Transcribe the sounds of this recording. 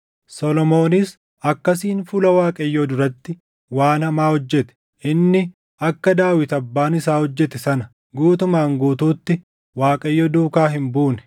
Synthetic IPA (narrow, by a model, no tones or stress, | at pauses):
sɔlɔmo̞ːnɪs | ɐkːɐs̬iːnfʊlɐwaːkʼɐjːɔd̪ʊɾɐt̪ːɪ | waːnhɐmaːhɔd͡ʒːɛt̪ɛ̥ | ʔɪnːɪ | ɐkːɐd̪aːwɪt̪ɐbːaːnɪsaːhɔd͡ʒːɛt̪ɛsɐnɐ | ɡuːt̪ʊmaːŋɡuːt̪uːt̪ːɪ | waːkʼɐjːɔd̪uːkaːɦɪmbuːnɛ̥